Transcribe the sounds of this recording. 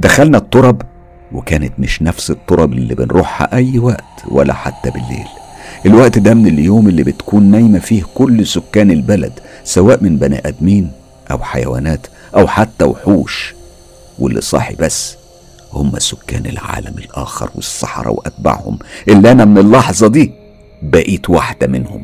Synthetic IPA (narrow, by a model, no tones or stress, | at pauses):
d̪æxælnæt̪ˤːoɾˤɑb | wekæːnet̪meʃnæfset̪ˤːoɾˤɑbɪlːibenɾuːħhæ̰ʔæjːwæʔt̪wælːæ̰ħat̪ːæbelːḛːl | ʔelwæʔt̪d̪æmeneljoːmelːibɪt̪kuːnːæjmæfiːhkʊlːsʊkːæːnelbælæ̰d̪sæwæːʔmɪnbænḭʔæd̪miːn | ʔæ̰wħajæ̰wæ̰ːnæːt̪ | ʔæwħat̪ːæwħuːʃ | welːḭsˤɑ̰ħḭbæsː | homːæ̰sʊkːæ̰ːnelʕa̰ːlæmelʔæ̰ːxɑ̰ɾˤwesˤːɑ̰ħɑɾˤɑ̰wʔæt̪̚ba̰ʕhʊ̰mʔelːiʔænæmenelːɑħzˤɑd̪iː | bæʔiːt̪waħd̪æmɪnhʊm